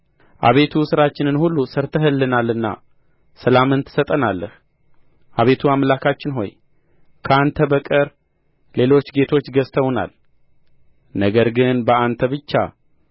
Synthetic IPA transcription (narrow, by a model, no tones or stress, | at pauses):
ʔa̰βe̞t̪ʰusɨɾat͡ʃːɪnɨnhulːusəɾt̪ʰəɦɨlːɨnalːɨnːa̰ | səlamɨnt̪ʰɨ̥sət̪ʼənalːə̰h | ʔaβe̞t̪ʰuamlakʰat͡ʃːɪnɦo̞̰j | kʰəant̪ʰəbəkʼəɾ | le̞lo̞t͡ʃːɡe̞t̪ʰo̞t͡ʃːɡəst̪ʰəwna̰l | nəɡəɾɡɨnbəʔant̪ʰəβɨt͡ʃːa̰